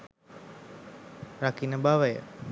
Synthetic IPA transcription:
rakinəbaʋəjə̰

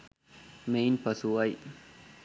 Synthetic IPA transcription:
meːnpɐsuaj

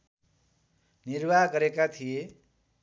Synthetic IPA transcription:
nirbʱaɦɡʌɾekat̪ʰije

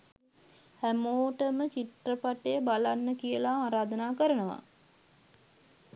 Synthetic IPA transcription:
hæmoːʈəmət͡ʃiʈrəpaʈejəbalanːəkijəlaaːɾaːd̪ənaːkəɾənəʋa̰

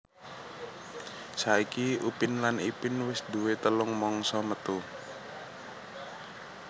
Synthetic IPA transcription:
saikiupɪnlanipɪnwɪsd̪uwet̪əlʊŋmɔŋsɔmət̪u

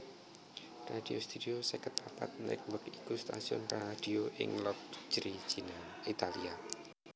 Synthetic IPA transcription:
radiost̪ud̥iosɛkət̪̚papa̰t̪̚nɛ̰k̚wəkikust̪asiɔ̰nrad̥ioʔɪŋlɔk̚d͡ʒɾit͡ʃina | it̪alia

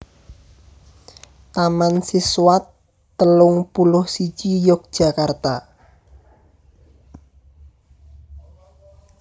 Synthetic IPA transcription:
t̪amansiswat̪ː | əlʊŋpulʊhsit͡ʃijʊk̚d̥ʒ̥a̤kart̪a

